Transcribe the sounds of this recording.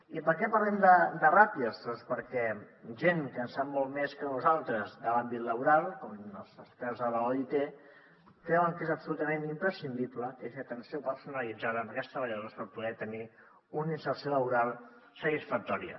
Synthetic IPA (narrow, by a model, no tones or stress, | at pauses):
ipəɾkɛpəɾlɛmd̪əd̪ərapiəst̪ɔspəɾkɛʒeŋkənsamːolˠtmeskənuzalˠt̪ɾəzðəlambit̪ləβ̞uɾalˠkɔməlˠzəspɛɾzðəβəlait̪e | kɾɛwəŋkezəpsulut̪əmenimpɾəsind̪ipləkezət̪ənsiopəɾsunəlid͡zaðənəkɛst̪ɾəβəʎəðospəɾpuðɛt̪əni | uninsərsijoləβuɾalˠ | sət̪isfək̚t̪ɔɾiə̰